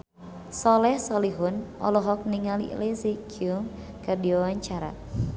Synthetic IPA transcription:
sɔlɛhsɔliɦunɔ̰lɔɦɔk̚niŋalḭlezikiuŋ | kərdiawaɲt͡ʃaɾa̰

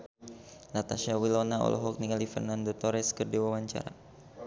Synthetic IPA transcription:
lat̪aʃawilɔnaɔ̰lʔɔ̰ɦɔk̚nikalifə̰rnandot̪ɔɾɛskərdiwawaɲt͡ʃa̰ɾa̰

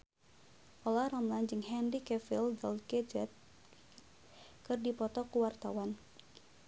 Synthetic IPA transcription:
ʔɔlaɾamland͡ʒɨŋɦɛndikɛfildɔlkɛd͡ʒɛt̪̚ | kɨrdipɔt̪ɔkuwart̪awan

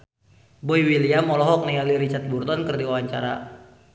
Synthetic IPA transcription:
bɔiwiliamɔlɔɦɔk̚nialiɾit͡ʃat̪̚burt̪ɔnkərdiwawaɲt͡ʃa̰ɾa̰

